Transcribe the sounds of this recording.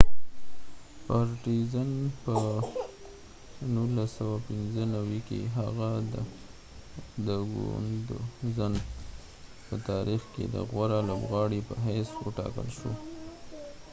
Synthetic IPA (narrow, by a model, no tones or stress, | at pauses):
pɑɾʈizanpə | nulasawapɪnzənawikḛɦaɣa | d̪əɡṵnd̪ozan | pət̪ɑɾixkḛd̪ə̰ɣwaɾalobɣɑɽipəɦajswəʈɑ̰kə̰lʃo